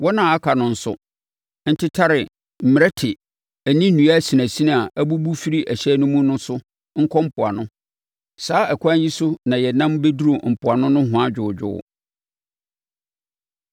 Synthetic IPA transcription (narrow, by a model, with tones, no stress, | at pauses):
wɔ˦nã˨a˦kʰa˨nʊ̃˨n̩˦sʊ̰˦ | n̩˦tʰɪ˦tʰa˦ɾɪ˨ | m̩˨mɪ˨ɾɛ˦tʰɪ˨ | æ˨nĩ˦ũ˨a˦si˨næ̃˨si˦ñ˦a˨ʔæ˦bu˦bu˦fi˦ɾi˦ʔæ˨ɕɛ˦nʊ̃˦mũ˦nʊ̃˦sʊ˦ | ŋ̩˦kʰɔ˦m̩˨pʰʊ˨a˨nʊ̃˦ | saː˦ɛ˨kʷʰã˦n˦ji˦sʊ˦nã˨jɛ˨nã˦mbe˦du˦ɾo˨m̩˨pʰʊ˨a˨nʊ̃˦nʊ̃˦ɦʊ̃˨a˦d͡ʑᶣʊ˨d͡ʑᶣʊ̰˦˨